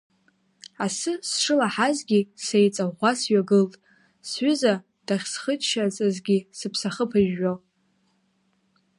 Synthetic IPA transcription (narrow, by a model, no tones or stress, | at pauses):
asɨsʂɨlaħazɡʲisejt͡sʼaʁʷasɥaɡɨltʼ | sɥʏza | d̥aχʲsχət͡ʃʃat͡sʼazɡʲisɨpʰsaχəpʰaʒːo